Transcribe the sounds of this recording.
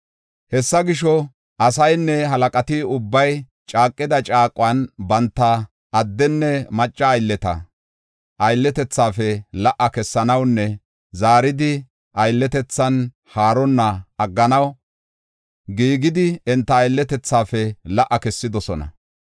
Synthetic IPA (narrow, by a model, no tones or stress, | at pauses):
hɛsːɐɡɪʃɔ | ʔɐsɐjnːɛɦɐlɐkʼɐt̪ɪʊbːɐj | t͡ʃʼaːkʼːɪd̪ɐt͡ʃʼaːkʼːʊwɐnbɐnt̪ːɐː | d̪ːɛnːɛmɐt͡ʃʼːɐːjlːɛt̪ɐ̰ | ʔɐjlːɛt̪ɛt͡sːaːfɛlɐʔɐkɛsːɐnɐwnːɛ | zaːɾɪd̪ɪ | ʔɐjlːɛt̪ɛt͡sːɐn | haːɾɔnːɐɐɡːɐnɐw | ɡiːɡɪd̪ɪɛnt̪ːɐːjlːɛt̪ɛt͡sːaːfɛlɐʔːɐkɛsːɪd̪ɔsɔnɐ̰